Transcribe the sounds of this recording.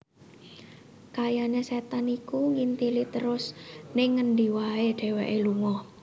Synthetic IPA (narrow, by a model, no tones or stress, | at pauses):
kajaneset̪anikuŋint̪ilit̪əɾʊsnɪŋːənɖiwaeɖ̥e̤wɛʔeluŋɔ